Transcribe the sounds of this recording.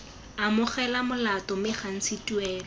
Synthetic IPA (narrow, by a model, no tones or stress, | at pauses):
amʊχɛlamʊlatɔmɪχan̩sɪtuɛːl